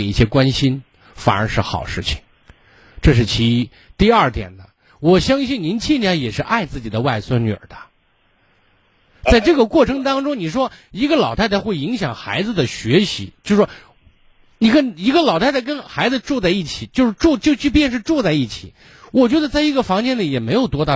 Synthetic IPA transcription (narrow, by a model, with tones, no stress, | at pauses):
i˥˩ɕjɛ˥kwa˥nɕi˥n | fa̰˨˩ə˞˧˥ʂɻ̩˥˩xɑ̰˨˩ʊʂɻ̩˥˩t͡ɕʰi̥˨˩ŋ | ʈ͡ʂɤ˥˧ʂ̬ɻ̩˥˩t͡ɕʰi˧˥i˧˥ | t̪i˥˧ɐ˞˥˩t̪jɛ̰˨˩nd̪ə˦ | wɔ˨˩ɕjɑ˥ŋɕi˥˩nni˧˥nt͡ɕʰi˥˧njɑ˥˩jɛ˨˩ʂɻ̩˥˧ʔa˥˧ɪt͡sɹ̩˥˩t͡ɕi˨˩d̪ə˦wa˥˩ɪswa˥nnyə̰˞˨˩d̪ə˦ | t͡sa˥˧ɪʈ͡ʂɤ˥˩ɡə˩kwɔ˥˩ʈ͡ʂʰɤ˧˥ŋt̪ɑ˥ŋʈ͡ʂʊ˥ŋni˨˩ʂwɔ˥i˧˥ɡə˧lɑ˨˩ʊt̪ʰa˥˧ɪt̪a˥˧xwe˥˩ɪi˧˥ŋɕjɑ˨˩ŋxa̰˧˥ɪd͡zɹ̩˧d̪ə˩ɕɥɛ˧˥ɕḭ˧˥t͡ɕjo˥˧ʊʂʂwɔ˥ | ni˨˩kʰə˥˩ni˧˥ɡə˧lɑ˨˩ʊt̪ʰa˥˧˥kə˥nxa˧˥ɪd͡zɹ̩˧ʈ͡ʂu˥˧t͡sa˥˧i˥˩t͡ɕʰi˨˩˦t͡ɕjo˥˧ʊʂɻ̩˥˧ʈ͡ʂu˥˧t͡ɕjo˥˧ʊt͡ɕy˥˧pjɛ˥˧nʂ̬ɻ̩˥˧ʈ͡ʂu˥˧t͡sa˥˧ɪi˥˩t͡ɕʰi˨˩˦ | wɔ˨˩t͡ɕɥɛ˧˥d̪ə˧t͡sa˥˩ɪi˧˥ɡə˥˧fɑ˧˥ŋt͡ɕjɛ˥nli˨˩jɛ˨˩me˧˥ɪjo˨˩ʊt̪wɔ˥t̪ɑ˥˩